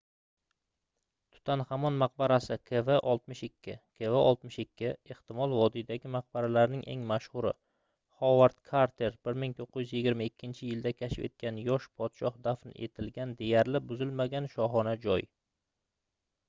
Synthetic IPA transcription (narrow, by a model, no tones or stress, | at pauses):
t̪ʰʊ̥t̪ʰanhamɒnmaq̚baɾasɪkʰeveʔɒlˠt̪̚mɪʃɪkʲʰːɪkʰeveʔɒlˠt̪mɪʃɪkʲʰːɪeht̪ɪmɒlˠvɒd̪id̪aɡʲɪmaq̚baɾalaɾnɪŋʔe̞̰ŋmaʃhʊɾɪ̰ | χɒwaɾt̪kʰaɾt̪ʰeɾbɪɾmɪŋt̪ʰoqʰːɪjʏzjɪɡʲɪɾmaɪkʲːɪnt͡ʃʰɪjɪld̪akʲʰaʃɪpe̞̰t̪̚kʲanjɒʃpʰɒt̪ʃɒχd̪afnɪ̰ʔe̞̰t̪ʰɪlɡʲand̪e̞jaɾlɪbʊzɪlmaɡʲanʃɒɦɒnad͡ʒɒj